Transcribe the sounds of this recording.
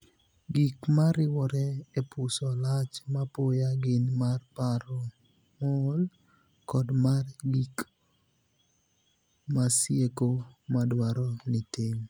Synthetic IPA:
ɡikmaɾɪwɔɾɛepʊsɔlat͡ʃmapojaɡɪnmarpaɾɔ | mɔl | kɔdmarɡik | masjekomadwaɾɔnitiŋ

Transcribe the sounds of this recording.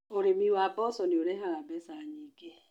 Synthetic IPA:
oɾemiwabɔsɔneoɾeɦaɣabesaɲike

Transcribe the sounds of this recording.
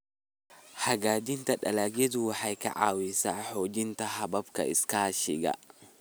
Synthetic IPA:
hɐɡaːd̪ɪnt̪ɐᶑɐlɐɡɛd̪uwħajkɐ̰ʕaːwɪsaːħoːd͡ʒɪnt̪ɐɦɐbɐbkɐ̰ɪ̰skaːʃɪɡɐ̰

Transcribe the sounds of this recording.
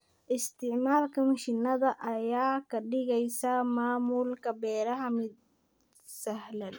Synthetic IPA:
ʔɪst̪ʰɪʕmaːlkʰɐmɐʃɪnɐðɐʔɐjaːkʰɐɖɪɣɛjsɐmaːmuːlkʰɐbɛːɾɐɦɐmɪd̪̚ | sɐhlɐd̪

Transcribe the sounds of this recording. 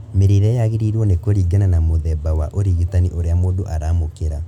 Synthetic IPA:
meɾeɾɛjaɣeɾiɾwɔnekoɾiːɡananamoðɛbawaʔoɾiɣitaniʔoɾeamoːndoʔaɾaːmokeɾa

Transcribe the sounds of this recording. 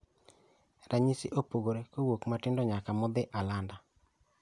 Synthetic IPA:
ɾaɲisɪʔopoɡoɾekowokmatɪndɔɲakamɔd̪ɪʔalanda

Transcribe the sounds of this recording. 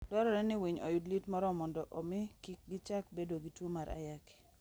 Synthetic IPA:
dwɔɾɔɾɛnɪwiɲo̰jʊdlitmɔɾɔmɔndɔʔomɪkik̚ɡɪt͡ʃakbedoɡitwomaɾʔa̰jaki̥

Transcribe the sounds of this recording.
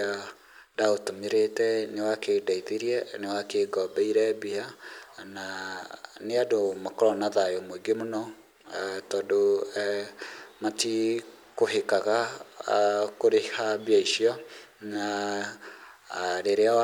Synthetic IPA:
a | daotomeɾetɛnewakedaiðeɾiɛnewakeɡɔbɛiɾɛbiɦana | neadomakɔɾɔnaðajomoiɡemonɔ | tɔːdo | mati | koɦekaɣa | koɾehabiaiʃiɔ | na | ɾeɾeawa

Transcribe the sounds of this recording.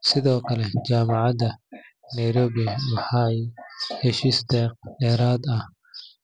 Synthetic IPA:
sɪðɔːkʰɐlɛt͡ʃaːmɑʕɑd̪ɐ | nɛjɾɔːβɪɐwɑħɑjhɛʃiːsd̪ɛːq̚ɖɛːɾaːd̪ɐh

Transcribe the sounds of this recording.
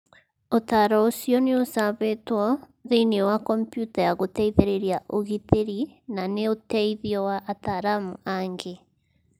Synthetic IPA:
otaɾɔosiɔneosaβetwɔ | ðeiniwakɔmpjutajaɣotɛiðeɾeɾjaʔoɣiðeɾinaneotɛiðiɔwaʔːtaɾamuaŋɡe

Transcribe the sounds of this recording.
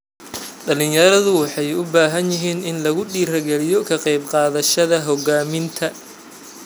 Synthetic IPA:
ɖɐlɪnjɐɾɐðʊwɑħɑjʊbaːɦɐnjɪɦiːnɪnlɐɣʊɖiːɾɐɡɛlɪjɔkʰɐqɛjbqɑːðɐʃɐðɐɦɔɣaːmɪnt̪ʰɐ

